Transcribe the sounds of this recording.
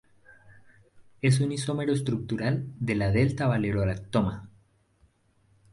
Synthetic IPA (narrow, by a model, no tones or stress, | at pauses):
es̬uniso̞meɾoest̪ɾuk̚t̪uɾald̪elaðelt̪aβaleɾoɾat̪ːoma